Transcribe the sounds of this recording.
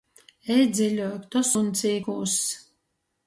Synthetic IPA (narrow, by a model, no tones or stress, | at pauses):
ɛjd̪zʲilʲɔjkt̪ɔsunt̪siːkuːs